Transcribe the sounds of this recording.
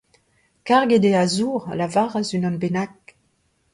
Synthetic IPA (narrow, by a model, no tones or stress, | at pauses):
kaʁɡed̪eazuʁalavaʁazynɔnbenak̚